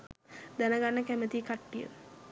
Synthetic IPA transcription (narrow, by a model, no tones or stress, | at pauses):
d̪ænəɡanːəkæmət̪ikaʈːijə̰